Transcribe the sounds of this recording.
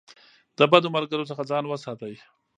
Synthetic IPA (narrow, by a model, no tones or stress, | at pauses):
d̪̥əbad̪omaɾɡəɾosəxad͡zɑnwəsɑt̪aj